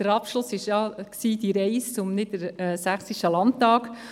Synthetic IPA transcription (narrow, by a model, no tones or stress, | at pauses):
d̥əɾɑpʃlʊsɪʃjɑksiːd̥iɾɛɪst͡sʊmnɪdəɾɛːsæχsiʃtəlɑntɑːk